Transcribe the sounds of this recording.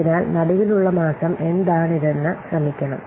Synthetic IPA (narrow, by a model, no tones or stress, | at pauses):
inaːlnɐɽuʋiluɭːɐmaːsɐme̞nd̪aːɳiðenːɨɕrɐmikʲːɐɳɐm